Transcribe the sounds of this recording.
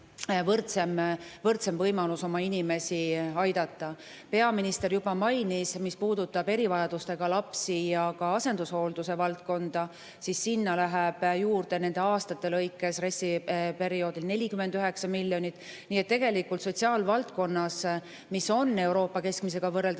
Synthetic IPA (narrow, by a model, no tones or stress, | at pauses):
vɤrt̪semvɤrt̪se̞mvɤjmɑluso̞mɑinime̞siɑjd̪̥ɑt̪ːɑ | pe̞ɑminist̪e̞ɾjub̥ɑmɑjnismispuːd̪ut̪ːɑbe̞ɾivɑjɑd̪̥ust̪e̞ɡ̥ɑlɑpsijɑkɑɑse̞nd̪̥usho̞ld̪use̞vɑlt̪̚ko̞nd̪̥ɑ | sisːinːɑlæɦeb̥juːrd̪̥e̞ne̞nd̪e̞ɑːst̪ɑt̪ːe̞lɤjkːˑe̞sre̞sːipe̞ɾio̞ːd̪ilne̞lʲikymːe̞nd̪yɦe̞ksɑmilʲːjo̞nʲit̪ˑː | niːet̪ːe̞ɡe̞likːˑult̪so̞t̪ʲsiɑːlvɑlt̪̚ko̞nːɑs | miso̞nːe̞wɾo̞ːpːɑke̞skmise̞ɡ̥ɑvɤrːeld̪